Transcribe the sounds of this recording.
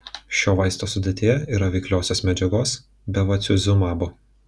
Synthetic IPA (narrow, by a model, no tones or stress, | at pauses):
ʃʲoːʋɐɪst̪oːsʊd̪ʲet̪ʲejɛiːɾɐʋʲɛɪklʲoːsʲoːsmʲɛd͡ʒʲɛɡoːs | bʲɛʋɐt̪sʲʊzʲʊmɑːbo